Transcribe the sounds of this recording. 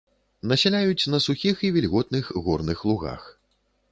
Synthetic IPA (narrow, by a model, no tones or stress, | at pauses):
nɐsʲɛlʲajut͡sʲnɐsuxʲixivʲɛlʲɣɔt̪̚nɨxɣɔrnɨxlˠuɣa̰x